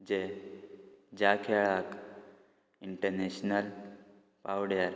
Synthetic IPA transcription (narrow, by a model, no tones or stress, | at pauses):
d͡ʑe | d͡ʑakʰeɭak | iɳʈəɾneɕnəl | pawɽjaɾ